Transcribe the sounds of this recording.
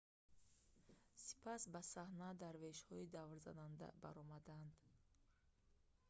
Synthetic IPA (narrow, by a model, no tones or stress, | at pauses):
si̥pʰasbasahnad̪aɾve̞ʃhɔid̪avɾza̰nand̪a̰baɾɔmad̪and̪